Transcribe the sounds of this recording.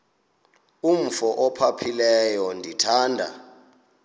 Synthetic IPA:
um̩fɔʔɔpʰapʰilɛjɔndʱitʰaːndʱa̰

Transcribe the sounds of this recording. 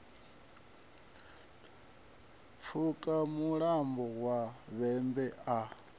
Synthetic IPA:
p̪fʰukʼamuɺambɔɣwaβɛmbɛa

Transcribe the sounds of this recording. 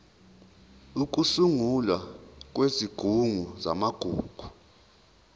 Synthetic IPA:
uk̬ʼusuŋulwak̬ʼweziɡ̥ʱuŋuza̰maɡ̥ʱuːɡ̥ʱu̥

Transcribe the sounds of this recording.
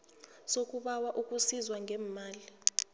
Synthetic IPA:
sok̬ʼuɓawaʔukʼusizwaŋʱɛmaːli

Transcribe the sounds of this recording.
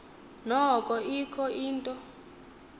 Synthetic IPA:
nɔkʼɔikʰɔiːntʼɔ

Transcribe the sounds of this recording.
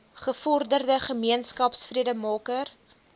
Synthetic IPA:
χəfɔrdərdəχəmiənskɐpsfriədəmɑːkər

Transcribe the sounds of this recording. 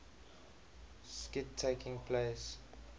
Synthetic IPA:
skɪtʰːekɪ̃ŋpʰles

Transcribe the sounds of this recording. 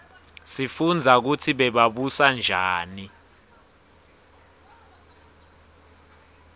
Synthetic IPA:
sifund͡zʱak̬utʰiɓɛɓaɓusand͡ʒʱaːni

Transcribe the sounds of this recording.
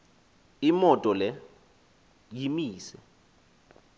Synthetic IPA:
imɔtʼɔlɛ | jimiːsɛ

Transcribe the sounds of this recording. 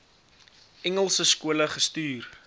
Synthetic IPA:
ɛŋəlˠsəskuələχəstyːr

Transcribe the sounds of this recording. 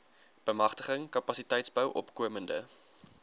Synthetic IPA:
b̥əmɐχtəχəŋkɐpɐsitɛjtsbəwʔɔ̰pkuəməndə̰

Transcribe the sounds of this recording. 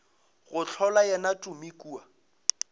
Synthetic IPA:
ɣʊt͡ɬʰɔlajɛnatʼʊmikʼuːa

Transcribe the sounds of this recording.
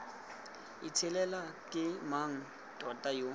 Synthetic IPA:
ḭt͡sʰɪlɛlakʼɪmaŋ̩ | tʼɔtʼajo

